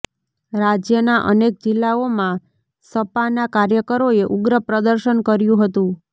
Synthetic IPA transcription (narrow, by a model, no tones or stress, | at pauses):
ɾad͡ʒjənaʔə̰nek̚d͡ʒɪlːaomã | səpanakaɾjəkəɾoeʔʊɡɾəpɾəd̪əɾʃənkəɾjũɦət̪ũ